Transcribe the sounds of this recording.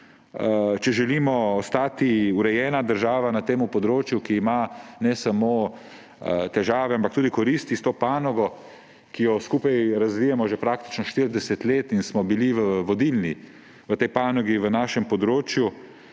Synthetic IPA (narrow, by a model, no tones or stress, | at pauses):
t͡ʃɛʒɛliːmɔːst̪aːt̪iuɾɛjɛːnad̪əɾʒaːʋanat̪eːmupɔd̪ɾoːt͡ʃjukiːmanɛsamoː | t̪ɛʒaːʋɛampakt̪uːd̪ikɔɾist̪ist̪oːpaːnɔɡɔ | kijɔskuːpajɾazʋijɛmɔʒɛpɾaːkt̪i̥t͡ʃnɔʃt̪iɾd̪ɛsɛt̪leːt̪insmɔbiliʋəʋɔd̪ilni | ʋət̪ɛjpaːnɔɡiʋənaːʃɛmpɔd̪ɾoːt͡ʃju